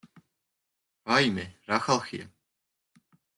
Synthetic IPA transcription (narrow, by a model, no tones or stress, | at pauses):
vajmɪɾaxalˠxḭ